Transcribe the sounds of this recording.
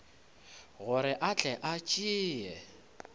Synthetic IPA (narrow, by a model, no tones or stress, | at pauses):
ɣʊɾɪʔat͡ɬʼɛʔat͡ʃʼiːjɛ